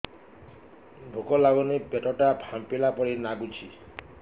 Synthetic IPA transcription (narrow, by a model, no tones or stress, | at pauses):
bʱukɔlaɡɔnibeʈɔʈabʰʱampelapɔɾinaɡut͡ʃʰi